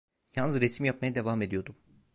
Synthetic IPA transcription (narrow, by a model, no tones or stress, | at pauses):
jalnɯzɾesimjap̚majad̪e̞vame̞d̪ijo̞d̪um